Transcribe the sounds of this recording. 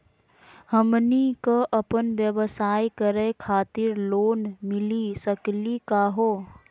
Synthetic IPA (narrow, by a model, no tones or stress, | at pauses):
həmnikoʔɐpənʋjəʋəsaːikəɾekʰaːt̪ɪɾloːnmɪlisəklikaːɦoː